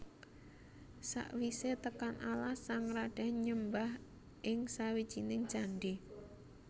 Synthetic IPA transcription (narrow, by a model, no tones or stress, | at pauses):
sa̰ʔwiset̪əkanʔalahsaŋraɖ̥a̤ɲəmbah | ʔɪŋsawid̥ʒ̥inɪŋ̥d͡ʒ̥aɳɖe